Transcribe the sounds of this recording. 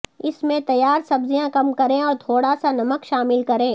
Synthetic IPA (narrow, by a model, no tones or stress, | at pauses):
ɪsmẽt̪ɐjaːɾsɐbzijãkɐmkɐɾẽɔːɾt̪ʰoːɽasanɐməkʃaːmɪlkɐɾẽː